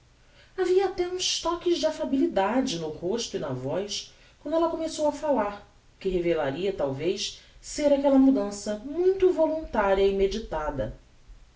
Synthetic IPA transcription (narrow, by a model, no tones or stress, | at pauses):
aviɐat̪ɛũʃt̪ɔkɪzd͡ʒɪafabilid̪ad͡ʒɪnʊhoʃt̪ʊinɐvɔjs | kwɐ̃nd̪ʊɛlɐkomesowɐfalaɾ | kɪɦevelaɾiɐt̪awvejsseɾakɛlɐmud̪ɐ̃sɐmũj̃t̪uvolũnt̪aɾiɐimed͡ʒit̪ad̪ɐ